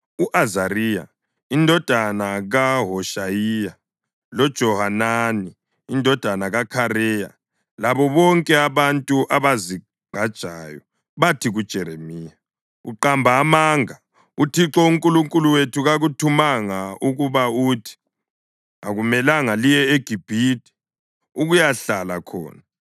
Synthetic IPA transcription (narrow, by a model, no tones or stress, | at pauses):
uʔazariːja̰ | indʱɔd̥ʱanaɣaɦɔʃajija | lɔd̥ʒ̥ʱɔɦananiː | ndʱɔd̥ʱanaɣakʰaɾɛja̰ | laβɔβɔŋkʼɛaβantʼuʔaβazi | ɡ͡ǃ̥ʱad̥ʒ̥ʱaːjɔ | βatʰiɣud̥ʒ̥ʱɛɾemiːja | uǃambʱaːmaːŋa | utʰiǁɔuŋkʼuluŋkʼuluwetʰuɣaɣutʰumaŋauɣuβautʰi̥ | aɣumɛlaŋalijɛeɡ̥ʱib̥ʱiːti̥ | uɣujaɬalakʰɔ̰ːna